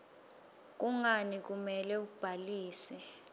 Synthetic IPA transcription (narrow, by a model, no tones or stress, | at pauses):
k̬uŋanik̬umɛlɛub̥ʱaliːsɛ